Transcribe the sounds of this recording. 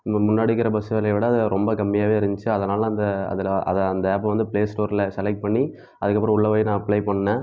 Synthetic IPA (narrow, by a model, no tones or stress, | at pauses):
mʊnːaːɽɪkːɪɾɐbɐsɯɐlɐʋɪɽɐɐðɛɾɔmbɐkɐmːɪjaːʋeːɪɾɪɲd͡ʒɪt͡ʃːɯɐðɐnaːlɐɐːnd̪ɐɐ̰ðɪlʔɐ̰ðɐɐnd̪ɐɛːpːɐ̃ʋɐnd̪ɯpleːsʈoːɾɪlɐsɛlɛk̚ʈ̚pɐɳːi | ʔɐðɯkːɐpːɯɾɐ̃ʊɭːɐʋɐːjnãːɐpɭɐɪpɐɳːɐnɐ